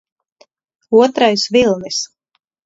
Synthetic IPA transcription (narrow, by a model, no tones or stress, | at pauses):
uɔt̪ɾajsvilˠnis